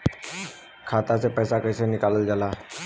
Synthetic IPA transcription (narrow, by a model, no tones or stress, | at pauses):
kʰaːt̪at͡sepəjsakəjsenɪkaləld͡zalaː